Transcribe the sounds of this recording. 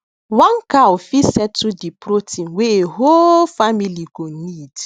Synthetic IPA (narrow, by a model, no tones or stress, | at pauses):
wãŋkaofisɛtudipɾotĩnweeɦolfamiliɡonid